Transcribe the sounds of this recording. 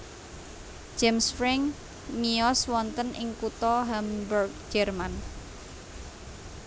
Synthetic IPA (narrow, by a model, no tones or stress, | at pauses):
d͡ʒ̥ɛmsfɾɛŋ | miɔswɔnt̪ənʔɪ̰ŋkut̪ɔɦambərɡ̚d͡ʒ̥ɛrman